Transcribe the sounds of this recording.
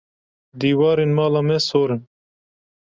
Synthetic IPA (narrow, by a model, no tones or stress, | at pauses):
d̪iːwɑːɾinmɑːlamesoːɾin